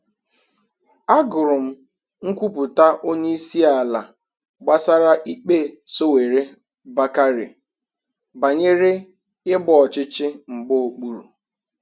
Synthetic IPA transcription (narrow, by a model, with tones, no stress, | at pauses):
a˦ɡʊ˨ɾʊ˨m̩˦ | ŋ̩˦kʷu˦pu˨ta˦ʔo˦ɲe˦i˦si˦a˨la˨ | ɡ͡ba˦sa˦ɾa˦ʔi˦k͡pe˦˨so˦we˨ɾe˦ | ba˦ka˦ɾɪ̰˨ | ba˨ɲe˦ɾe˦ | ɪ˦bɔ˦ɔ˨t͡ʃɪ˦t͡ʃɪ˦ŋ͡m̩˨ɡ͡bo˦o˨k͡pu˨ɾu˨